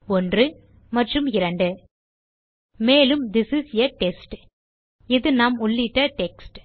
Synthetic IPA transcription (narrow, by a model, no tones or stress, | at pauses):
ɔndrɯ | mɐʈrɯmɪɾɐɳɖɯ | meːlɯmd̪ɪsɪsjɐʈɛsʈ | ɪðɯnaːmɔɭːɪʈːɐʈɛksʈ